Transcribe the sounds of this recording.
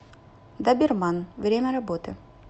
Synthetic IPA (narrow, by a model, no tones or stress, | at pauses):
d̪abʲɪrmanvɾʲemʲɐɾɐbot̪ɨ